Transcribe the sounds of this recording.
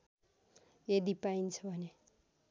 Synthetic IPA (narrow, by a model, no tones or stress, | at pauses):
ed̪ipaint͡sʰʌbʱʌne